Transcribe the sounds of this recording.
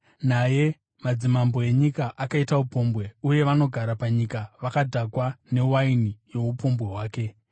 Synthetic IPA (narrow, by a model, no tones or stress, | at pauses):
naje̞ | mad͡zimambo̞e̞ɲikaʔakaitaupombwe̞uje̞ʋano̞ɡʱaɾapaɲikaʋakadʱakwane̞wainijo̞upo̞mbwe̞ɦwaːke̞